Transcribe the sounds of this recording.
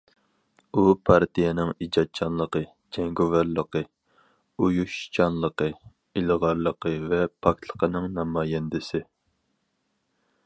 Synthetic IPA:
upʰɑɾt̪ijɛnɪŋid͡ʒɑt̪̚t͡ʃʰɑnlˠəqə | d͡ʒɛŋɡovɑɾlˠəqə | ujuʃt͡ʃʰɑnlˠəqə | ilʁɑɾlˠəqʰəvɛpʰɑk̚t̪ʰlˠə̥qʰənɨŋnɑmɑːjɛnd̪ɪsɪ

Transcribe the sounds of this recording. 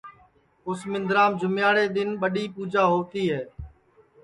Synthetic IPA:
ʊsmɪ̃nd̪ɾaːmd͡ʒʱʊmjaːɽeːɗ̪ɪnɓəɗiːpuːd͡ʒaːɦoːt̪iːɦɛː

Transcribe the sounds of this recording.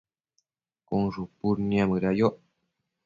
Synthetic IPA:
koŋʐupuɾniaməɾajoʔ

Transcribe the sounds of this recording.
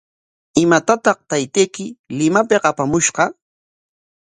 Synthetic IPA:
ɪmat̪at̪ɑqt̪ajt̪ejkɪlɪmapeqapamʊʃɢɑ

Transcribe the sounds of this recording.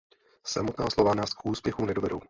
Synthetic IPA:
sa̰mot̪naːslo̞vanaːskʔuːspjɛxunɛdovɛdɾow

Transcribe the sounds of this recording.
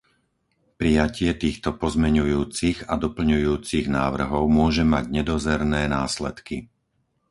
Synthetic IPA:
pɾijacɪɛt̪iːxt̪ɔpɔzmɛɲujuːt͡siɣad̪ɔpl̩ɲujuːt͡siɣnaːʋr̩ɦɔʊmʊɔʒɛma̰ɟɲɛd̪ɔzɛɾnɛːnaːslɛt̪ki

